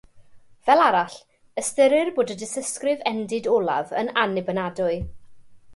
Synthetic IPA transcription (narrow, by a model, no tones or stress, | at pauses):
vɛlˠaɾaɬ | əstəɾɪrboːdədɪsəskrɪvɛndɪdɔlˠa̰və̰nanɪbənadʊɨ